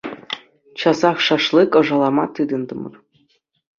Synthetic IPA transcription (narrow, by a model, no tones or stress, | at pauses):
t͡ɕɑzɑχʂɑʂlˠikɤ̆ʐɑlˠɑmɑt̪ɯd̪ɤ̆nd̪ɤ̆mɤ̰̆r